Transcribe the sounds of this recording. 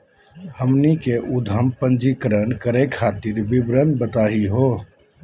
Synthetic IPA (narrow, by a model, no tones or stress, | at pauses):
həmniːkeʔʊd̪ʱəmpənd͡ʒiːkəɾənkəɾekʰaːt̪ɪɾbɪbɾənbət̪aːɦiɦoː